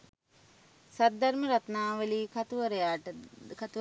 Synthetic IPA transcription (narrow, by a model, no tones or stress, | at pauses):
sad̪̚d̪aɾməɾat̪naːʋəliːkat̪uʋəɾəjaːʈəkat̪u